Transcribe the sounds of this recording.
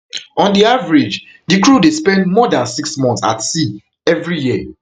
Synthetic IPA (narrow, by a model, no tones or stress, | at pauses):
ɔ̃ndiavɹid͡ʒ | dikɹudespɛ̃ndmɔdãnsiksmɔ̃ntsa̰tsi | ɛvɹijiə